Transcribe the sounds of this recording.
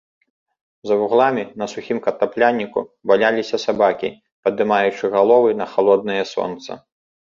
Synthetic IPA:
zɐvuɣlˠamʲinɐsuxʲimkɐt̪aplʲanʲːikṵvalʲalʲisʲɐsabakʲḭ | pɐd̪ɨmajut͡ʂɨɣalˠɔvɨnɐxalˠɔd̪̚nɨjɛsɔ̰nt̪sɐ̰

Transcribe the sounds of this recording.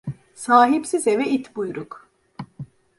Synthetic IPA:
saːɦipsizevɛit̪bujɾuk

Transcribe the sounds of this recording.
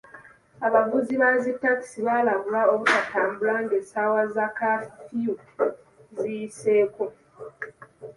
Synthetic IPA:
aβavuziβazitːaki̥siβaːlaβulaoβutatʰaːmbulaŋɡesawazakaffiju | zijise̞ːko̞

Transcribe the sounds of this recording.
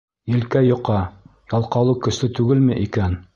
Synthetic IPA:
jɘ̆lkæjŏqɑjɑlˠqɑwlˠɤkɵ̆slɘt̪ʉɡɘlmɘʔikæn

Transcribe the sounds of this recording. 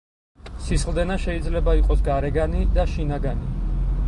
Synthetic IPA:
sisχlˠd̪ɛnaʃɛid̪zlɛbaiqʼɔsɡaɾɛɡanid̪aʃinaɡani

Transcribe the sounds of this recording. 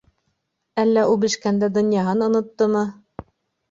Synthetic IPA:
ælːæʔubɘʃkænd̪æd̪ŏnjɑɦɑnŏnŏt̪ːɤmɤ

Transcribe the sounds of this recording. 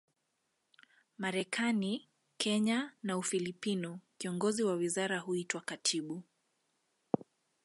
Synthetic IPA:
maɾɛkʰani | kʰɛɲanaufilipinukiɔŋɡɔziwawizaɾaɦuitwakatʰiɓu

